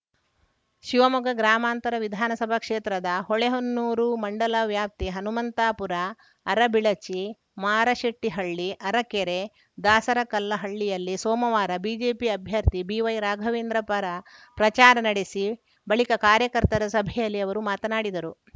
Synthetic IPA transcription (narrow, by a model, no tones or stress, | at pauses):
ʃiʋɐmuɡɐɡɾaːmaːnt̪ɐɾɐʋid̪ʱaːnɐsɐbʱɐkʂeːt̪ɾɐd̪ɐɦoɭeɦonːuːɾumɐɳɖɐlɐʋjaːp̚t̪iɦɐnumɐnt̪aːpuɾɐː | ɾɐbiɭɐt͡ʃi | maːɾɐʃeʈːiɦɐɭːiʔɐɾɐkeɾe | d̪aːsɐɾɐkɐlːɐɦɐɭːijɐlːisɔːmɐʋaːɾɐbiːd͡ʒeːpiɐbʱjɐɾt̪ibiːʋɐjɾaːɡʱɐʋeːnd̪ɾɐpɐɾɐpɾɐt͡ʃaːɾɐnɐɽesi | bɐɭikɐkaːɾjɐkɐɾt̪ɐɾɐsɐbʱɛjɐlːiɐʋɐɾumaːt̪ɐnaːɽid̪ɐɾu